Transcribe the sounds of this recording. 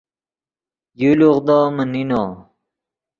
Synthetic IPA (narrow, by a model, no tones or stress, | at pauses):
juluʁd̪oːməninoː